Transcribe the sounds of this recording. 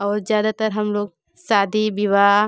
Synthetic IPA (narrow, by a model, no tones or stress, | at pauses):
ɔːɾzjaːd̪at̪ɐɾɦɐmloːɡ | saːd̪ʱibiʋa